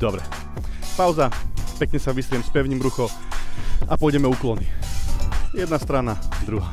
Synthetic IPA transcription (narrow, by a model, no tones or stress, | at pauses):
d̪ɔbɾɛ | paʊzapɛkɲɛsaʋisɾɪɛmspɛʊɲimɾuxɔ | apɔjɟɛmɛuklɔniː | jɛd̪nast̪ɾanad̪ɾuɦaː